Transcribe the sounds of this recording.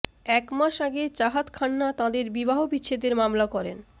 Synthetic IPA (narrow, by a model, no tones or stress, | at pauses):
ɛkmaʃaɡet͡ɕaɦat̪kʰanːat̪ãd̪eɾbibaɦobitːɕʰed̪eɾmamlakɔɾḛn